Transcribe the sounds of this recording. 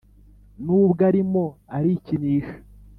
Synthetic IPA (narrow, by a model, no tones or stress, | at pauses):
nuːbɡaɾimoaɾiciniːʃḁ